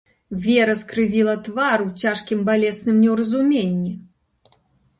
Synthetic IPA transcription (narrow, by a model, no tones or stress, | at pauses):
vʲɛɾɐskɾɨvʲilˠɐt̪vaɾuwt͡sʲaʂkʲimbalʲɛsnɨmnʲɛwɾɐzumʲenʲːi